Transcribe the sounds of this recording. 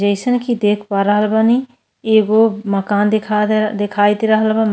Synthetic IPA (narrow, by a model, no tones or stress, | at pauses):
d͡ʒəɪsənkid̪eːkʰpaɾəɦəlbani | eːɡomɐkaːnd̪ek̪ʰd̪ekʰaːit̪iɾɐɦəlbam